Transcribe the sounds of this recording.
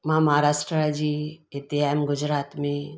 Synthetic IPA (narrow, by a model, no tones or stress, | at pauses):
mɦamɐɦaɾaːʃʈɾəd͡ʒiːet̪iaːmɡʊd͡ʒɾaːt̪mẽ